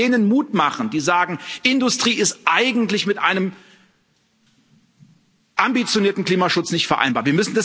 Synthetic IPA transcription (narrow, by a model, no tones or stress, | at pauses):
eːnənmuːtmaχn̩diːzaːɡŋ̩ʔɪndʊstʁ̥iːɪstʔaɪɡŋ̩tlɪçmɪtʔaɪnəm | ʔambit͡sjoniːɐtn̩kl̥iːmaʃʊt͡snɪçtfɛɐʔa̰ɪnbaːviɐmʏsn̩das